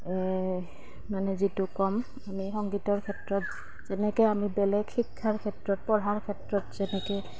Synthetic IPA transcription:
ɛ | manɛzitʊkɔm | amixɔŋɡitɔɹkʰɛtɹɔt̚ | z̥ɛnɛkɔjamibɛlɛɡxikʰːaɹkʰɛtɹɔt̚pɔɹɦaɹkʰɛtɹɔtzɛnɛkɛ

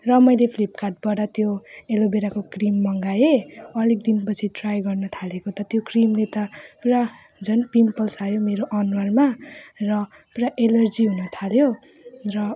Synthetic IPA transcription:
rʌmʌjlepʰlipkaʈ̚bʌɽʌt̪joelobeɾakokrimːʌŋɡajeʌlek̚d̪inpʌt͡sʰiʈrajɡʌrnʌt̪ʰalekot̪ʌt̪jokrimlet̪ʌpuɾa | d͡zʌnpimpʌlsajomeɾoʔʌnwarmarʌ | puɾaʔelʌrd͡ziɦunʌt̪ʰaljo | rʌ

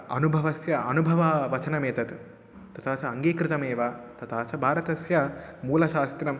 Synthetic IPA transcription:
ɐ̰nubʱɐʋɐsjɐɐnubʱɐʋɐʋɐt͡ʃɐnɐmeːt̪ɐt̪ | t̪ɐt̪ʰaːt͡ʃɐɐŋɡeːkɾɪt̪ɐmeːʋɐt̪ɐt̪ʰaːt͡ʃɐbʱaːɾɐt̪ɐsjɐmuːlɐʃaːst̪ɾɐm

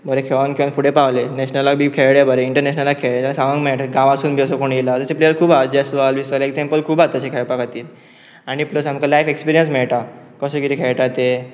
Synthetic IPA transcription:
bʱəɾekʰeʋankʰeʋanfuɽepawlenɛɕnəlaɡ̚bʱiːkʰeɭɭebʱəɾeiɳʈəɾnɛɕnəlakʰeɭɭẽt̪alasaʋə̃ŋɡmɛʈɡãʋasuːnbʱiəsəkoɳjelat̪əseplejəɾkʰuːbad͡ʑesʋalbisaleɡd͡zẽmpəlkʰuːbat̪ət͡ɕekʰeɭpakʰat̪iːl | aɽ̃ipləsamkalajfekspiɾijəns̬mɛɭʈ̪a | kəsəkit̪ikʰeɭʈat̪e

